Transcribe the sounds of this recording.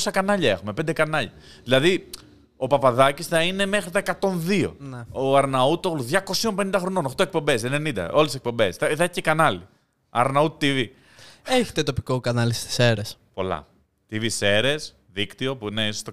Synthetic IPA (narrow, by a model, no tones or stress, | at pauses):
osɐkɐnɐʎɐe̞xume̞pe̞nd̪ekɐnɐʎɐ̰ðilɐði | o̞pɐpɐðɐcisθɐine̞me̞xɾit̪ɐe̞kɐt̪o̞nðio̞̰oɐɾnɐut̪oɣluðʝɐko̞sio̞mpe̞nind̪ɐxɾo̞no̞no̞xt̪o̞e̞k̚po̞mbe̞se̞ne̞nind̪ɐ̰o̞lesek̚po̞mbe̞sθɐθɐçcekɐnɐli | ɐ̰ɾnɐut̪ivi | eçi̥t̪et̪o̞pikokɐnɐlist̪i̥seɾespo̞lɐ̰ | t̪ivise̞ɾe̞s | ðikt̪io̞puine̞isost̪o